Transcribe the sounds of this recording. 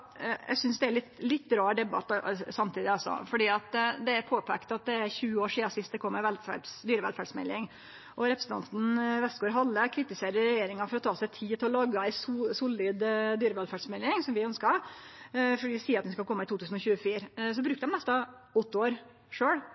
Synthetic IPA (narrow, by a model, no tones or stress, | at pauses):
jʔæ̰ɪsʏnsd̪ɛæɾlɪt̪lɪt̪ːɾɑːɖ̪ɛbɑ̰t̪ːsɑmt̪ʰiːd̪ɪɑsɔ̰fɔɖiːɑt̪d̪ɛæɾpʰoːpʰɛkt̪ɑt̪̚d̪ɛæɾçʉːəoːʂiːɑsɪst̪d̪ɛkʰɔmːəʋɛlfæ̰ɖsd̪yːɾəʋɛ̰lfæɖsmɛ̰lːɪŋ | ʔɔɾɛpɾəsn̩ʰɑ̰nt̪n̩ʋɛst̪ɡoːɾɦɑlːəkʰɾɪt̪ɪseːɾəɾɛjeːɾɪŋɑfɔɾɔt̪ʰɑːsæɪt̪ʰiːt̪ʰɪlɔlɑɡɑæɪsusʊlɪd̪d̪yːɾəʋɛlfæɖsmɛlːɪŋsɔmʋɪœnskɑɾ | fɔɖiːsiːɾɑt̪ɛnskɑlkʰɔmːəɪt̪uːt̪ʉːsən̩ɔçʉːəfiːɾs̬ɔbɾʉːkt̪d̪ɛmnɛst̪ɑɔt̪ːəoːɾ | ʂøːɽ